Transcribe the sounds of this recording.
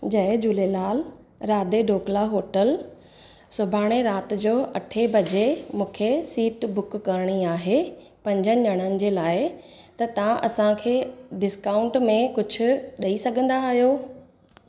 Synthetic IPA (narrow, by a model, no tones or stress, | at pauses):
d͡ʑɐɪd͡ʑulelaːl | ɾaːd̪eɖʱoːklaɦoːʈəl | sʊbʱaːɽ̃eɾaːt̪ɪd͡ʑoːʔɐʈʰebʱɐd͡ʑemũːkʰesiːʈbʊkːəɾɽ̃iaːɦe | pɐ̃ɲd͡ʑənɪ̆ɲɐɽ̃ənɪ̆d͡ʑeːlaːɪ | t̪ɐt̪ɐʋãʔɐsãkʰeːɖɪskãːʊ̃ɳʈmẽkʊd͡ʑʱʊ̆ɗɐisɐɡʱə̃nd̪aːɦijoː